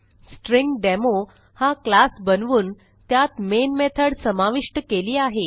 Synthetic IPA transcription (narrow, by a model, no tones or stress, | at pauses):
sʈɾiŋɡɖemo | haklasbənʋuːn | t̪jat̪menmet̪ʰəɽsəmaʋiʂʈəkeliːaɦe